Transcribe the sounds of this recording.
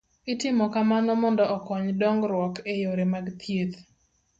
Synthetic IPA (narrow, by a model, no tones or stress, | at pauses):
itɪmɔkamanɔmɔndɔɔkɔɲdɔŋɡɾwɔkejoɾɪmaɡt̪ʰjit̪